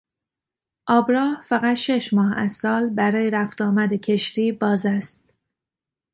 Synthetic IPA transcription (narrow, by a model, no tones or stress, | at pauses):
ʔɒːbɾɒːhfæɣæt̪ʃe̞ʃmɒːɦæz̥sɒːlbæɾɒːjeɾæft̪ɒːmæd̪ecʰe̞ʃɾiːbɒːzæst̪̚